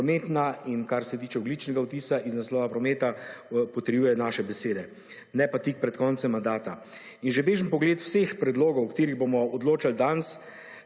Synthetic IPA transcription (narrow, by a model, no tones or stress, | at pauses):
meːt̪nainkaɾsɛt̪iːt͡ʃɛɔɡlit͡ʃnɛɡawt̪iːsaʔiznaslɔːʋapɾɔmeːt̪apɔt̪əɾjujɛnaʃɛbɛseːd̪ɛ | nɛpat̪ik̚pɾɛt̪kɔnt̪sɛmːand̪aːt̪a | inʒɛbeːʒəmpɔɡleːt̪w̥sexpɾɛd̪loːɡɔwkt̪eːɾiɣboːmɔɔd̪loːt͡ʃald̪ans